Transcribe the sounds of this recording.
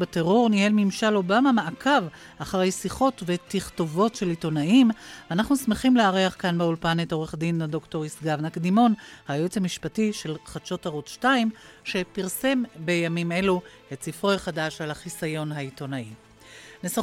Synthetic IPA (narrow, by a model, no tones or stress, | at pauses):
beteʁo̞ʁnihe̞lmimʃalo̞bamamaʔakʰav | aχaʁe̞jsiχo̞tve̞tiχto̞vo̞tʃe̞lito̞naimvanaχnusmeχimleaʁiaχkanbeulpaneto̞ʁe̞χdinadokto̞ʁisɡavnakdimo̞nhajoet͡samiʃpatiʃe̞lχadʃo̞taʁotʃtaimʃe̞piʁse̞mbe̞jamime̞lu | ett͡sifʁojχadaʃalaχisajo̞nɦaito̞nai | nesa